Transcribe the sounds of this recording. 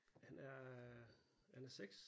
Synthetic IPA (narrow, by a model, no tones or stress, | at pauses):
hænæɐ | hænæɐseɡ̥s